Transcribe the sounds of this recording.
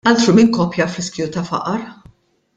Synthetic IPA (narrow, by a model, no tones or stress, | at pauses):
ɐlt̪ɾumɪŋkɔːpjɐfɾɪskjut̪ɐfɐ̰ʔɐɾ